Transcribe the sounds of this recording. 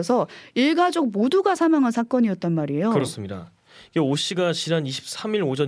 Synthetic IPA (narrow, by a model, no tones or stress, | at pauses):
sʰʌiɭɡad͡ʑok̚moduɡasʰamaŋɦansʰak͈ʌɲiʌt̚t͈anmaɾie̞jokɯɾʌs͈ɯmɲida̰ | iɡeoɕ͈iɡat͡ɕinaniɕʰi̥p̚s͈ʰamiɾod͡ʑʌn